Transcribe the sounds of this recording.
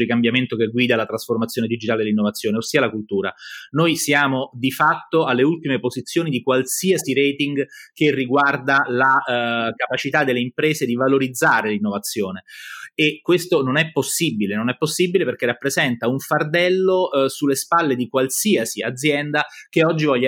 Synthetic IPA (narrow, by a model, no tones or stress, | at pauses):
d̪ikambjament̪ok̟eɡwiːd̪alat̪ɾasformat̪sjoned̪id͡ʒit̪aːled̪elinːovat̪sːjoːneosːiːalakult̪uːɾa̰nojsjaːmod̪ifat̪ːoalːeult̪imepozit̪sːjoːnid̪ikwalsiasiɾeːt̪iŋɡk̟erːiɡward̪alakapat͡ʃit̪ad̪ːelːeimpɾeːzed̪ivaloɾid̪zːaːɾelinːovat̪sːjoːneekwest̪ononɛpːosːibilenonɛpːosːibileperk̟erːapːɾezɛnt̪auɱfard̪ɛlːosulːespalːed̪ikwalsiasia̰d̪zːjɛnd̪akeɔd͡ʒːivɔʎː